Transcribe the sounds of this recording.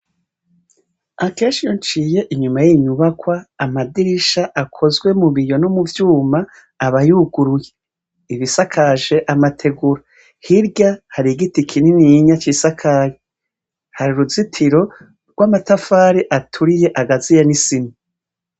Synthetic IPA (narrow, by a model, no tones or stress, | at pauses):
ake̞ːnʃijont͡ʃije̞ʔiɲumajiɲuβakwaːmadiɾiʃaʔakʰo̞zɡwe̞muβijo̞nomuvjuːmaː | βajuɡuɾuje | iβisakʰaʒe̞ʔamatʰe̞ɡuɾa | hiɾɟahaɾiɡitikʰininiɲat͡ʃisakʰaje | haɾiɾuzitʰiɾo̞ | ɾɡwamatafaːɾiʔatʰuɾije̞ʔaɡazijenisimi